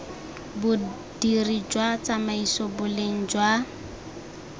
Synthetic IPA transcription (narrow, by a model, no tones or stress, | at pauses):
bʊ | d̥irid͡ʒwat͡samaisɔbʊleŋ̩d͡ʒwa